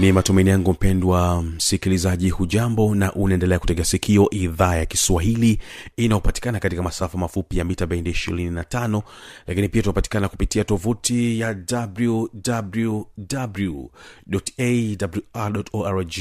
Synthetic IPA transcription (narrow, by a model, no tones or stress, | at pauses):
nimatumainijaŋɡum̩pɛndwam̩sikilizaʄihuʄambɔnaʔunaɛndɛlɛaku̥tɛkɛasikʰiɔʔiðaːjakiswaɦiliinajɔpati̥kanakatikamasafamafupijamitaɓɛindɛiʃḭɾininatanɔlakinipiatutapati̥kanaku̥pitiatɔvutijadabludabludabluɗɔtedabluaɗɔtɔaɾd͡ʒi